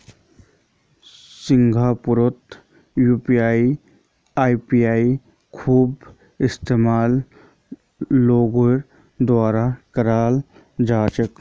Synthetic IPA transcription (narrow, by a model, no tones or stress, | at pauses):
sɪŋɡʱaːpʊɾot̪ | juːpijaːi | aːipiaːi | kʰuːb | ɪst̪eːmaːl | loːɡoɾ | d̪waːɾakɐɾaːl | d͡ʒaːt͡ʃək